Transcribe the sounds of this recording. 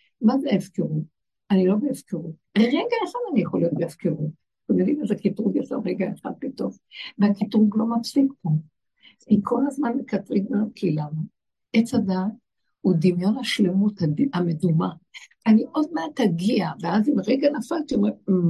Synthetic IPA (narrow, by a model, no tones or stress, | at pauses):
mazeevkeʁu | anilo̞beːvkeʁu | ʁeɡaeχadanijeχolijot̪beav̥keʁut | kimedimazekitʁuɡjesa̰lʁeɡaeχa̰d̪̚bito̞χ | veakitʁuɡlo̞mafsikpo̞ | ikʰo̞lazmanbekatʁiɡ̚makʰilam | ʔet͡sadat | hudimjo̞nhaʃle̞mutadameduma | aniʔo̞d̚meat̪aɡiaveazimaʁeɡanafaltiome